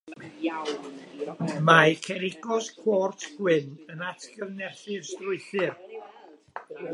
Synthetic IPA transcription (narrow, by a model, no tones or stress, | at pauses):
majkʰɛɾɪɡɔskʰwɔrtʰɡ̥wɪnənatʰɡəvnɛθɨrstrʊɨɬɨr